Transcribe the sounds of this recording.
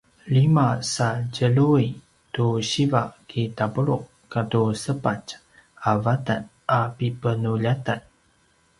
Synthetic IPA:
limasad͡ʒəlui | tuɕivakitapəɾuʔ | kːatusəpat͡ʃ | avatan | apipənuʎatan

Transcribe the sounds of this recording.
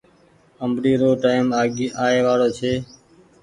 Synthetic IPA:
əmbɾiːɾoːʈaːɪmaːɡiːaːeːʋaːɽoːt͡ʃʰeː

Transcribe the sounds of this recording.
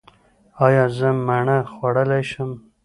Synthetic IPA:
ɑjɑzəmaɳəxwaɽəlajʃəm

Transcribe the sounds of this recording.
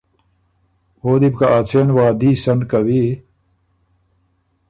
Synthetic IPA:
oːd̪ibkaʔaːt͡sʰeːnwaːd̪iːsɐnkɐwi

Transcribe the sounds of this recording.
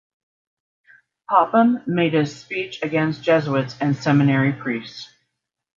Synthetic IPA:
pʰɑpə̃mːeɪɾ̚ɨz̥spit͡ʃɨɡɛ̃nstd̥ʒ̥ɛzəɨtsɨ̃nsɛmɨnɛɹipʰɹ̥ists

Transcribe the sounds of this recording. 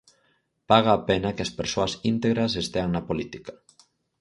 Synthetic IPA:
paɣaːpenakeaspeɾsoasint̪eɣɾas̬est̪eaŋnapolit̪ikḁ

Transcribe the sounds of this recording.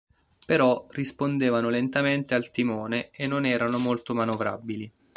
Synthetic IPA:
peɾɔrispond̪eːvanolent̪ament̪ealt̪imoːneenːonɛːɾanomolt̪omanovɾa̰bili

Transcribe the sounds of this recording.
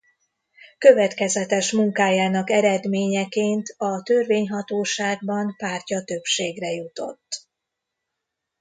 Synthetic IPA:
kø̞vɛt̪kɛzɛt̪ɛʃmuŋkaːjaːnɒkɛɾɛd̪meːɲɛkeːnt̪ɒt̪ø̞rveːɲɦɒt̪oːʃaːɡ̚bɒnpaːrcɒt̪ø̞pʃeːɡrɛjut̪o̞̰t̪ː

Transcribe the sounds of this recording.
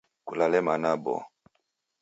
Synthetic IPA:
kulalɛmanabɔ̰

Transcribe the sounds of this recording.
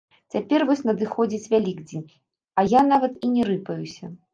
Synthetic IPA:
t͡sʲapʲɛrvɔsʲnɐd̪ɨxɔd͡zʲit͡sʲvʲalʲiɡd͡zʲenʲ | ɐjanavɐt̪inʲɛɾɨpɐjusʲɐ

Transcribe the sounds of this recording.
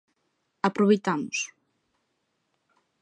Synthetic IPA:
apɾoβejt̪amʊs

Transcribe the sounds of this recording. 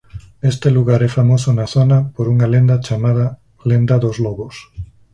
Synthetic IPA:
est̪eluɣaɾɛfamosʊnɐθonɐpoɾuŋɐlend̪ɐt͡ʃamaðɐ | lend̪ɐðozlɔɣos

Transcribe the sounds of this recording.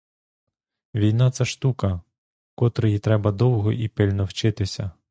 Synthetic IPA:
ʋʲijnɑt̪sɛʃt̪ukɐ | kɔt̪ɾɔjit̪ɾɛbɐd̪ɔwɦɔʔipɪlʲnɔwt͡ʃɪt̪ɪsʲɐ

